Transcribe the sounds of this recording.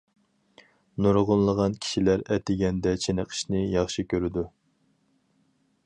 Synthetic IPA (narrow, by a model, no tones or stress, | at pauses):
nuɾʁʊnlˠəʁɑnkʲʰi̥ʃilæɾɛt̪ʰɪɡʲɛnd̪ɛt͡ʃʰenəqʰə̥ʃnɪjɑχʃikʲʰøɾɪd̪u